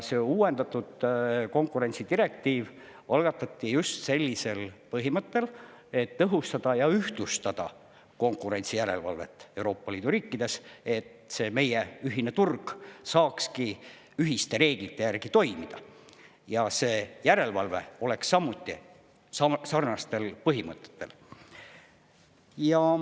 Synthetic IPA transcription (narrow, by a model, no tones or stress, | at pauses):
se̞ːuːwe̞nd̪̥ɑt̪ːˑud̪̥ko̞ŋkːˑuɾe̞nʲtsid̪̥iɾe̞k̚t̪iːv | ɑlɡ̥ɑt̪ːˑɑt̪ːijust̪se̞lʲːise̞lpɤɦimɤt̪ːe̞l | e̞t̪ːɤɦust̪ɑd̪̥ɑjɑyht̪ust̪ɑd̪̥ɑ̰ | ko̞ŋkuɾe̞nt̪sijæɾe̞̰lvɑ̰lve̞̰t̪ːˑe̞uɾo̞ːpːɑliːd̪uɾiːkːˑid̪e̞se̞t̪se̞ːme̞jeyɦinet̪urɡ̥sɑːkski | yɦist̪e̞ɾe̞ːɡ̥lit̪ːˑe̞jærɡ̥it̪o̞jmid̪̥ɑ | jɑse̞ːjæɾe̞lvɑlve̞̰o̞le̞ksːɑmːut̪ːˑi | ɑsɑrnɑst̪e̞lpɤɦimɤt̪ːˑe̥t̪ːe̞̰l | jɑ